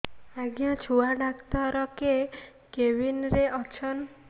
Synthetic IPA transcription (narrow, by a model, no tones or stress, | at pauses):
aɡjɔ̃t͡ʃʰuaɖakt̪ɔɾɔke | kebinɾeʔɔt͡ʃʰɔn